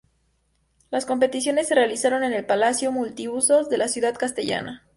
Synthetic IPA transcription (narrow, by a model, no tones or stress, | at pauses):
lasko̞mpe̞t̪isjo̞ne̞sːe̞realisaɾo̞ne̞ne̞lpalasjo̞mult̪iuso̞zðe̞lasjuðaðkast̪eʝa̰na